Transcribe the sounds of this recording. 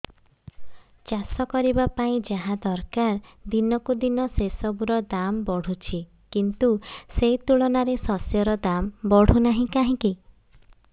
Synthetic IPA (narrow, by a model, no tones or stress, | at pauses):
t͡ʃasɔkɔɾibapaĩd͡ʒaɦãd̪ɔɾkaɾd̪inɔkud̪inɔsesɔbuɾɔd̪ambɔɽ̤ut͡ʃʰi | kint̪usejt̪uɭɔnaɾesɔsjɔɾɔd̪ambɔɽ̤unaɦĩkaɦĩki